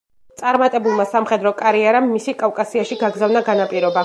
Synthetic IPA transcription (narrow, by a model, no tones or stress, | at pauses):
t̪sʼaɾmat̪ʼɛbulˠmasamχɛd̪ɾɔkʼaɾiaɾamːisikʼavkʼasiaʃiɡaɡɾzavnaɡanapʼiɾɔba